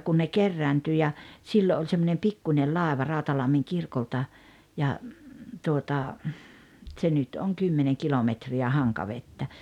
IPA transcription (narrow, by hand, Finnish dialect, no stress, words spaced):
kun ne kerːæːnty jɑ siːlo olʲ semːonem pikːunʲel lɑˑeʋɑ rɑˑu̞tɑlɑmːiŋ kirkoltɑ jɑ tuotɑ tse nyt oŋ kymːeneŋ kilometriæ hɑŋkɑʋetːæ